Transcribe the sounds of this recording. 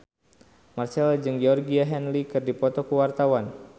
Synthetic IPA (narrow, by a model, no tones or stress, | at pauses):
marsɛlad͡ʒɨŋɡɛɔrɡiaɦɛnlikɨrdipɔt̪ɔkuwart̪awan